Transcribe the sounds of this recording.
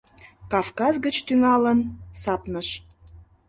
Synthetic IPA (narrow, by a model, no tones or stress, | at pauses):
kɑfkɑzɡət͡ɕt̪yŋɑlənsɑpnəʃ